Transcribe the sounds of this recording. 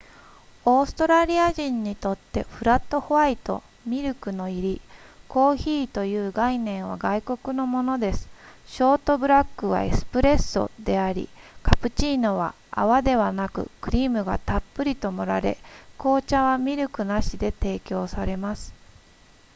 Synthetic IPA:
o̞ːsɨ̥t̪o̞ɾaɾʲiaʑĩɲ̟ːit̪o̞t̪ːe̞̰ɸɯ̟ɾat̪ːo̞hoβait̪o̞̰ | mʲiɾɯ̟kɯ̟no̞iɾʲiko̞ːçiːt̪o̞jɯ̟ːɡainẽ̞ɰ̃β̞a̰ɡaiko̞kɯ̟no̞mo̞no̞d̪e̞sɨ̥ɕo̞ːt̪o̞bɯ̟ɾakːɯ̟βa̰ḛsɨ̥pɯ̟ɾe̞sːo̞̰d̪e̞aɾʲḭkʰapɯ̟t͡ɕiːno̞βa̰ | a̰βad̪e̞βanakɯ̟̰kɯ̟ɾʲiːmɯ̟ɡa̰t̪apːɯ̟ɾʲit̪o̞mo̞ɾa̰ɾe̞̰ko̞ːt͡ɕaβamʲiɾɯ̟kɯ̟naɕid̪e̞t̪e̞ːkʲo̞ːsaɾe̞masɨ̥

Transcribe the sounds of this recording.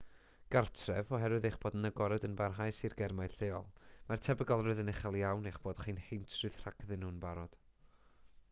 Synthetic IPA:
ɡ̥artʰrɛvɔɦɛɾwɨðejχb̥oːdnəɡɔɾɛdənbarɦajsirɡɛrmajɬeːɔlˠmartʰɛbəɡɔlˠrɨðənɪχalˠjawnejχb̥oːd̥χiːnhejntʰrɨð̥r̥akʰðɨnhuːnbaɾɔd̥

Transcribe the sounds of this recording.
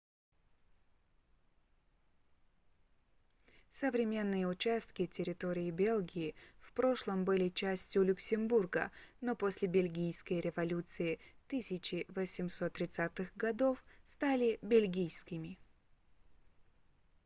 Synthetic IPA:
səvɾʲɪmʲe̞nːɨjəʊt͡ɕæst̪kʲɪtʲɪɾʲɪt̪o̞ɾʲɪːbʲe̞lˠɡʲɪɪfpɾo̞ʂlˠəmbɨlʲɪt͡ɕæsʲtʲjʊlʲʊksʲɪmburɡə̰no̞posʲlʲɪbʲɪlʲɡʲijskəjɾʲɪvɐlʲut̪sɨɪt̪ɨsʲɪt͡ɕɪvəsʲɪmso̞t̪ːɾʲɪt̪sat̪ɨxɡɐd̪o̞fst̪alʲɪbʲɪlʲɡʲijskʲɪmʲɪ

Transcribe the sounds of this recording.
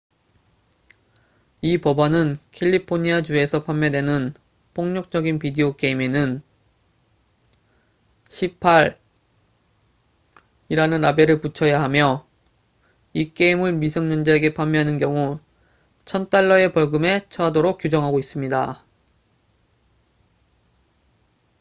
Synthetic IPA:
ipʌbanɯnkʰeʎːipʰoɲiad͡ʑue̞sʰʌpʰamːjʌdwe̞nɯn | pʰoŋɲok̚t͡ɕ͈ʌɡinpideok͈e̞imenɯn | ɕʰipʰaɾ | iɾanɯnabe̞ɾɯɭput͡ɕʰʌjaɦamjʌ | ik͈e̞imɯɭmisʰʌŋɲʌnd͡ʑeeɡe̞pʰamːjʌɦanɯnkjʌŋu | t͡ɕʰʌnt͈aɭːʌe̞pʌɭɡɯme̞t͡ɕʰʌadoɾok̚k͈jud͡ʑʌŋɦaɡois͈ɯmɲida

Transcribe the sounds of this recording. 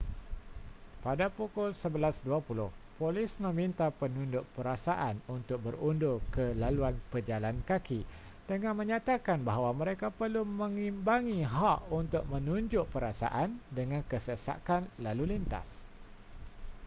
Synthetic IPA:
padapukʊlsəbəlasduapulʊhpolɪsmə̃mĩnt̪apənũndʊʔpəɾasaʔanunt̪ʊk̚bərundʊkəlaluanpəd͡ʒalankaki | d̥əŋãnmə̃ɲat̪akanbaɦawamə̃ɾekapərlumə̃ŋimbaŋiɦaʔunt̪ʊʔ̚mə̃nũɲd͡ʒʊʔpəɾasa̰ʔandəŋãnkəsəsa̰kanlalulint̪a̰s

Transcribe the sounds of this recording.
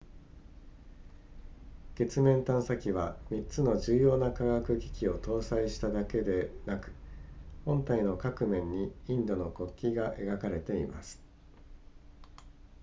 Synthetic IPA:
ɡ̥e̞t͡sɨmẽ̞nt̪ãɰ̃sakʲiβamʲit͡sɨno̞ʑɨːjo̞ːnakaɡakɯ̟ɡʲi̥kʲio̞t̪o̞ːsaiɕi̥t̪ad̪ake̞d̪e̞nakɯ̟̥hõ̞nt̪aino̞kakɯ̟mẽ̞ɲ̟ːiĩnd̪o̞no̞ko̞kʲːiɡaʔe̞ɡakaɾe̞t̪e̞ḭma̰sɨ̥

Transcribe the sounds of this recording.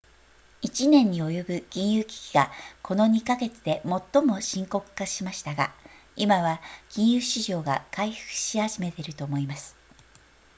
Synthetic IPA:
it͡ɕinẽ̞ɲ̟ːio̞jo̞bɯ̟kʲĩɰ̃jɯːkʲi̥kʲiɡakʰo̞no̞ɲ̟ikaɡe̞t͡sɨd̪e̞mo̞t̪ːo̞mo̞ɕĩŋko̞kɯ̟̥kaɕimaɕi̥t̪aɡa | imaβakʲĩɰ̃jɯːɕiʑo̞ːɡakaiɸɯ̥kɯ̟̥ɕihaʑime̞t̪e̞ɾɯ̟t̪omo̞imasɨ̥

